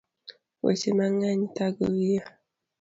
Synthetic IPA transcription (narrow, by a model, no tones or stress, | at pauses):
wḛsemaŋaɲitaɡowia